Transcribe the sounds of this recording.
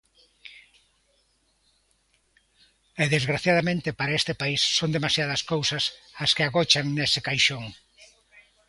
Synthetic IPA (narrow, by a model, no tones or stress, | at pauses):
eðezɣɾaθjað̞amẽnt̪ɪpaɾaest̪epaisːond̪emasjaðɐskowsɐsaskɪaɣot͡ʃaŋnesɪkajʃoŋ